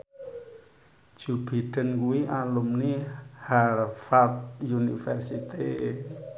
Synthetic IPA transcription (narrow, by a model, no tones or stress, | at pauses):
d͡ʒ̥ubiʈənkueʔalumnihaɾfat̪universit̪i